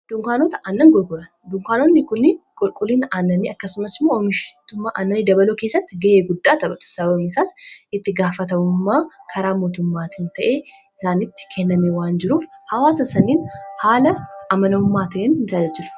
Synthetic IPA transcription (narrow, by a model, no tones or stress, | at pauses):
d̪̥ʊŋkaːnoːt̪ɐʔɐnːɐŋɡɔlkʼʊlɐnd̪ʊŋkaːnonːɪkʊnːɪkʼɔlkʼʊliːnaːnːɐniːɐkːɐsʊmɐsɪmːoɔmɪʃt̪ʊmːaːʔaːnːɐniːd̪ɐbɐloːke̞ːsːɐt̪ːɪɡɐʔeːɡʊd̪ːaːt̪ɐbɐt̪ʊ̥sɐbɐbɐbɪsaːsɪt̪ːɪɡaːfɐt̪ɐmʊmːaːkʰɐɾaːmoːt̪ʊmːaːt̪ʰɪnt̪ɐʔeː | ɪsaːnɪt̪ːɪ̥kʰɛnːɐmewaːnd͡ʒɪɾuːfhɐwaːsɐsɐniːnhaːlɐːmɐnɐʊmːaːt̪ɐʔeːnhɪnt̪ad͡ʒɐd͡ʒɪlʊ̥